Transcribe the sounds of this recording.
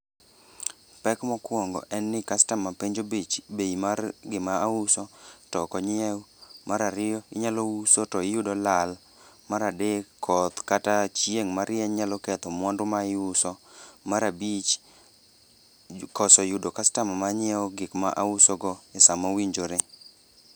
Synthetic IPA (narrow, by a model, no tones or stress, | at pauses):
pɛkmɔkwɔŋɡɔ̰ʔɛnːɪkastamːapeɲd͡ʒobit͡ʃbeimaɡɪmaaʊsɔtɔkɔɲɪɛwmaɾaɾɪɔɪɲalɔusɔtɔɪjʊdɔlal | maɾadekʰːɔt̪katat͡ʃjeŋmaɾɪɛɲalɔkɛt̪ɔmwɔndʊmaɪʊsɔmaɾabit͡ʃ | kɔsɔjʊdɔkastammaɲɪɛɔɡɪkma̰ʔaʊsɔɡɔɪsamawiɲd͡ʒoɾe